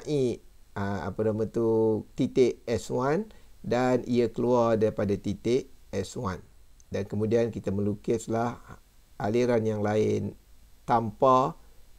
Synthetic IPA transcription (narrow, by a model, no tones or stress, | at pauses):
ʔiəa̰panamãt̪ut̪it̪ɪʔɛswandanʔḭakəluardaɾipadat̪it̪ɪʔɛswandankəmũdiankit̪amə̃lukɪslah | ʔaliɾanjaŋlaɪnt̪ampa